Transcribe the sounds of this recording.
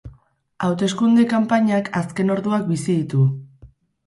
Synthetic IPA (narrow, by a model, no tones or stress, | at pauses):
awt̪e̞skund̪ekampaɲakaske̞no̞ɾðuak̚bisiðit̪u